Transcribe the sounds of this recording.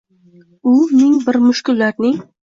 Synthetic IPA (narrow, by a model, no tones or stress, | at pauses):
ʊnɪŋbɪɾmʊʃkʲʊlːaɾnɪ